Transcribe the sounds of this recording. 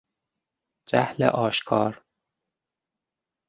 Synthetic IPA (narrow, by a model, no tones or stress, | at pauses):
d͡ʒæhlḛʔɒːʃkʰɒːɾ